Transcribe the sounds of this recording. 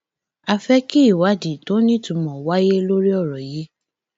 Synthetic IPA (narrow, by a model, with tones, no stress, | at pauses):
a˧fɛ˦ki˦i˦˨wa˨˦di˨to˦nĩ˦tũ˨˧˦mɔ̃˨wa˦je˦lo˦ɾi˦ɔ˦˨ɾɔ˨je˦